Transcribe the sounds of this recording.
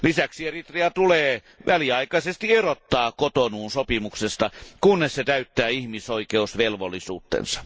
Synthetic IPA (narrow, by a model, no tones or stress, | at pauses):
lisæksierit̪riɑt̪uleː | ʋæliɑikɑisest̪ierot̪ːɑːkot̪onuːnsopimuksest̪ɑkunːesset̪æyt̪ːæːihmisoikeusʋelʋolːisṵːt̪ːḛnsɑ̥